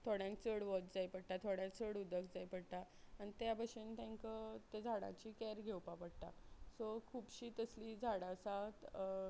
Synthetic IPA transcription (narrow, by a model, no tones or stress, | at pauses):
t̪ʰoɽjãŋk̚t͡səɽʋɔt͡ɕd͡zajpəɽʈat̪ʰoɽjãt͡səɽud̪əkd͡zajpəɽʈ̪a | añit̪jabəɕent̪ãŋkət̪ed͡zʱaɽã̰t͡ɕiːkɛɾɡʱewpapəɽt̪a̰sokʰuːpɕiːt̪əslid͡zʱaɽãsat̪